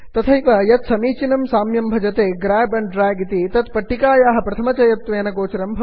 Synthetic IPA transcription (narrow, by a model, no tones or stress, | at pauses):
t̪ɐt̪ʰɐjʋɐjɐt̪sɐmiːt͡ʃinɐmsaːmjɐmbʱɐd͡ʒɐt̪eːɡɾaːbɐɳɖɾaːjɡit̪it̪ɐt̪pɐʈːikaːjaːɦɐ̆pɾɐt̪ʰɐmɐt͡ʃɐjɐt̪ʋeːnɐɡoːt͡ʃɐɾɐmbʱɐ